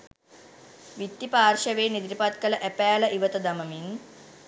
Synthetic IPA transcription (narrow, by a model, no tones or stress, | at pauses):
ʋit̪ːipaːrʃəʋeːnid̪ɾipat̪kələʔæpæːləʔiʋət̪əd̪aməmin